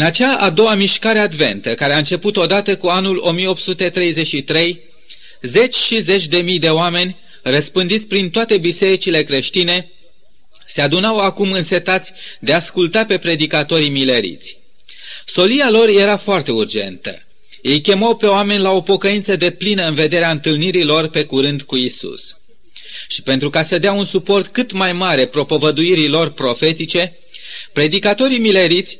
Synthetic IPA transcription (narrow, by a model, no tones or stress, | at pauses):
ɨnat͡ʃaʔad̪o̞wamiʃkaɾead̪ve̞nt̪əkaɾeaɨnt͡ʃe̞put̪o̞d̪at̪əkuanulo̞̰mijeo̞p̚t̪sut̪e̞t̪ɾe̞jze̞t͡ʃːit̪ɾe̞j | ze̞t͡ʃʲʃize̞t͡ʃʲd̪e̞mijd̪e̞oame̞nʲ | rəspɨnd̪it̪sʲpɾint̪oat̪e̞bise̞ɾit͡ʃile̞kɾe̞ʃt̪ine̞ | se̞ad̪unawakumɨnse̞t̪at̪sʲd̪e̞askult̪ape̞pɾe̞d̪ikat̪o̞ɾimile̞ɾḭt̪sʲ | so̞lialo̞rje̞ɾafoart̪e̞urd͡ʒe̞̰nt̪ə̰ | je̞jkʲe̞mawpe̞oame̞nʲlao̞po̞kəint̪səd̪e̞plinəɨnve̞d̪e̞ɾeaɨnt̪ɨlniɾilo̞rpe̞kuɾɨnd̪kuisṵs | ʃi̥pe̞nt̪ɾukasəd̪eaunsupo̞rt̪kɨt̪majmaɾe̞pɾo̞pəvəd̪uiɾilo̞rpɾo̞fe̞t̪it͡ʃe̞ | pɾe̞d̪ikat̪o̞ɾimile̞ɾit̪sʲ